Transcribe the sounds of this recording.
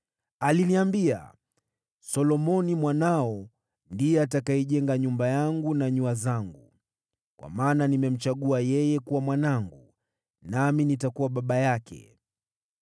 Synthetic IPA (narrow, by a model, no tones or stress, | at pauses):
aliniambia̰ | sɔlɔmɔnimwanaɔ | ndijɛatakaɛʄɛŋɡaɲumbajaŋɡunaɲuazaŋɡu | kwa̰maːnanimɛm̩t͡ʃaɠuajɛjɛkuwamwanaŋɡu | naminitakuwaɓaɓajakʰɛ̰